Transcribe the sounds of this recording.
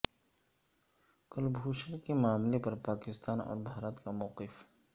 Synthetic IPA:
kəlbʱuːʃənkemaːmlepɐɾpaːkɪst̪aːnɔ̰ːɾbʱaːɾət̪kamɔːqɪf

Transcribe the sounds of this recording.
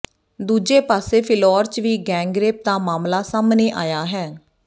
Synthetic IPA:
d̪uːd͡ʒeːpaːseːpʰɪlɔːɾt͡ʃʋiːɡɛ̃ːŋɡɾeːp̚d̪aːmaːmlaːsaːmneːʔaːjaːɦɛː

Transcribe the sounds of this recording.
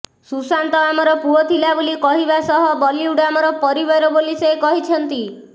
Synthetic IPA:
susant̪ɔamɔɾɔpuɔt̪ʰilabolikɔɦibasɔɦɔbɔliuɽamɔɾɔpɔɾiβaɾɔbolisejkɔɦit͡ʃʰɔnt̪i

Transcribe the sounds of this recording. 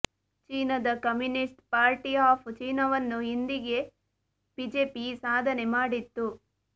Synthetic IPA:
t͡ʃiːnɐd̪ɐkɐmjunisʈpaːɾʈiaːpʰt͡ʃiːnɐʋɐnːuɦind̪iɡe̞ | b̥iːd͡ʒeːpisaːd̪ʱɐne̞maːɽit̪ːu

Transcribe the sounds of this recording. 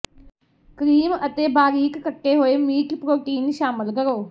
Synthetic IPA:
kɾiːmət̪eːbaːɾiːkːəʈːeːɦoːeːmiːʈpɾoːʈiːnʃaːməlkəɾoː

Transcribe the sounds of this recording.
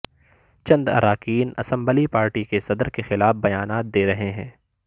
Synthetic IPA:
t͡ʃɐ̃nd̪ɐ̰ɾaːkiːnɐ̰sə̃mbəlipaːɾʈikesɐd̪ɾkexɪlaːfbɐjaːnaːt̪̚d̪eːɾɐɦeɦɛ̃ː

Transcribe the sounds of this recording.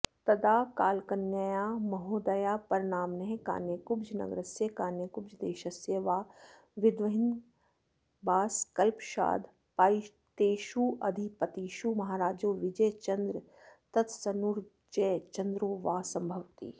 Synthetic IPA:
t̪ɐd̪aːkaːlkɐnjajaːmɐɦoːd̪ɐjaːpɐɾɪñaːmnɐɦẽka̰ːnekʊbd͡ʒʰʱnɐ̰ɡɾəseːkaːnekʊbd͡ʒʰd̪eːʃɐseːʋaː | ʋɪd̪ʋɐɦɪn | baːskɐlpʃa̰ːd̪ | paːi | t̪eːʃuːʔɐd̪ʱipət̪iʃumɐɦaːɾaːd͡ʒoːʋɪd͡ʒɛjt͡ʃɐnd̪ɾə | t̪ɐt̪ʰsɐnuɾ | d͡ʒɛːt͡ʃɐ̃nd̪ɾoːʋaːsɐ̃mbʱɐʋt̪ḭː

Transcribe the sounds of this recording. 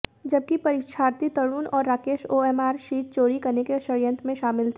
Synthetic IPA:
d͡ʒɐb̚kipɐɾɪʃʰaːɾt̪it̪ɐɽuːnɔːɾːaːkeːʃoːɛːmaːɾʃiːʈ̚t͡ʃoːɾikɐɾnekeʃɐɾjə̃nt̪ʰmẽʃaːmɪlt̪ʰɛ

